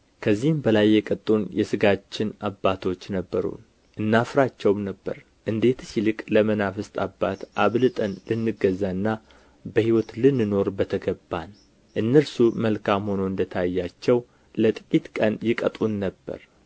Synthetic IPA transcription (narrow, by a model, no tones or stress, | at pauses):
kʰəzːihɨmbəlajːɛkʼət̪ʼunjɛsɨɡat͡ʃːɪnabːat̪ʰo̞t͡ʃːnəbːəɾṵn | ʔɨnːafɾat͡ʃːɛwmnəbːə̰ɾ | ʔɨnd̪e̞t̪silɨkʼləmənafɨst̪ʼabːat̪ʔaβlɨt̪ʼənlɨnːɨɡəzːaɨnːa | bəhiwɔt̪lɨnːɨno̞ɾbət̪ʰəɡəbːan | ʔɨnːəɾsuməlkʰamho̞no̞ɨnd̪ət̪ʰajːat͡ʃːɛw | lət̪ʼɨkʲʼit̪kʼənjɪkʼət̪ʼunːəbːə̰ɾ